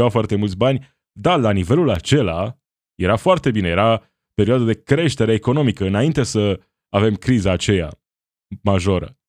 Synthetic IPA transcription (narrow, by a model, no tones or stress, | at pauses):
afoart̪e̞mult̪sʲbanʲ | d̪alanive̞lulat͡ʃe̞la | je̞ɾafoart̪e̞binejeɾa | pe̞ɾioad̪ad̪e̞kɾe̞ʃt̪e̞ɾe̞ːko̞no̞mikəɨnaint̪e̞sə | ave̞mkɾizaːt͡ʃeja̰ | maʒo̞ɾə̰